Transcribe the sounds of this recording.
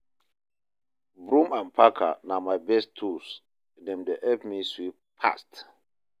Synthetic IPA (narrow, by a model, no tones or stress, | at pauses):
bɾũmãnpʰakʰa̰namajbɛstʰus | dɛ̃mdeʔɛpmiswip̚pʰa̰st